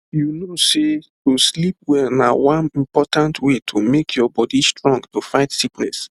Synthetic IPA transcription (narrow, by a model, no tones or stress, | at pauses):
junosetuslip̚wɛnawãnĩmpɔtãntʰwetʰumekʰjɔbɔdistɹɔ̃ŋɡtufaɪtsiknɛ̰s